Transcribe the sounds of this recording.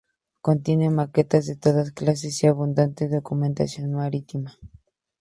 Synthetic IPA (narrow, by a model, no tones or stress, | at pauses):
kont̪jenemaket̪azðet̪oðasklas̬esiaβund̪ant̪eðokument̪a̰sjonmaɾit̪ima